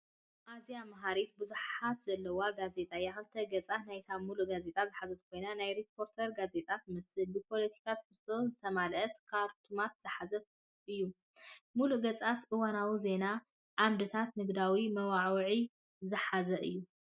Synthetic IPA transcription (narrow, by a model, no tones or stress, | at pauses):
ʔazijamaɦaɾit̪̚bɨzuħat̪z̥ɐlːɐwaɡaze̞t̪ʼajːaxɐlt̪ʰɐɡɐt͡sʼat̪najt̪ʰamuluʔɡaze̞t̪ʼazɨħazɐt̪kʰo̞jnanajɾipʰo̞ɾt̪ʰɐɾɡaze̞t̪ʼat̪mɨsɨlbipʰo̞lɐt̪ʰi̥kʰat̪kʰɨst̪ʰo̞zɨt̪ʰɐmalɐt̪kʰaɾt̪ʰumat̪z̥ɨħazɐt̪ | ʔɨjːu | muluʔɡɐt͡sʼat̪ʔɨwanawize̞na | ʕamd̪ɨt̪ʰat̪nɨɡd̪awimɐwaʕwʕi | zɨħazɐʔɨ̰jːu